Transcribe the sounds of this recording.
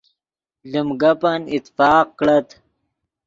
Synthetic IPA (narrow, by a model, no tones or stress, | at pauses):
lumɡɐpanit̪fɑːq̚kɽɐt̪